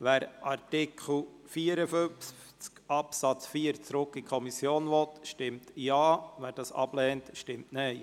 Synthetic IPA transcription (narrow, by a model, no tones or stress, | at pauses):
ʋæːɾʔɑɾtɪkʰl̩ | fiːəɾəføff | t͡skɑpsɑt͡sfiəɾt͡sɾʊkːikʰɔmisjoːnʋɔtʃtɪmtjɑːʋæːɾd̥ɑsɑ̰b̥lɛːntʃtɪmtnɛɪ